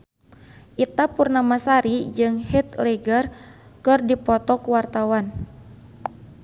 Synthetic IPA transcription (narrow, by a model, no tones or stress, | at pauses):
ʔit̪apurnamasaɾid͡ʒɨŋhit̪̚lɛɡərkɨrdipɔt̪ɔkuwart̪awan